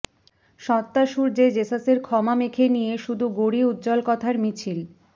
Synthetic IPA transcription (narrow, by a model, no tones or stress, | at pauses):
ʃɔt̪ːaʃuɾd͡ʑed͡ʑesaseɾkʰɔmamekʰenijeʃud̪ʱuɡoɽiud̪d͡ʑɔlkɔt̪ʰaɾmit͡ɕʰil